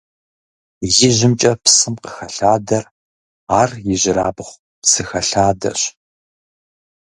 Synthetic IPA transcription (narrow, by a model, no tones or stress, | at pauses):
jɪʑɪmt͡ʃʼɐpsɨmqəxɐɬaːdɐr | aːrjɪʑɪɾaːbɨχʷ | psɨxɐɬaːdɐ̰ɕ